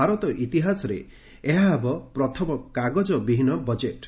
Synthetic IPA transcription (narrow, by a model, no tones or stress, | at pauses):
aɾɔt̪ɔʔit̪iɦasɔɾḛ | eɦaɦːbɔpɾɔt̪ʰɔmɔkaɡɔd͡ʒɔbiɦinɔbɔd͡ʒeʈ